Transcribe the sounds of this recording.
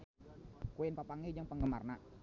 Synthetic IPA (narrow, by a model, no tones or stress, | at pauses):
kuɪnpapaŋɪhd͡ʒaŋpəŋɡəmarna